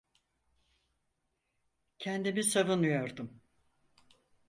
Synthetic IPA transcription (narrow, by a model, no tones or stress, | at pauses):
cʰɛnd̪imisavɯnujoɾd̪um